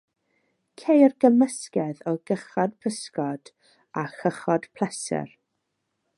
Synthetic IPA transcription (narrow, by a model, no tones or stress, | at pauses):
kʰejrɡ̥əməskɛðɔɡəχad̥̚pʰəskɔd̥ | axəχɔd̥pʰlˠɛsɛ̰r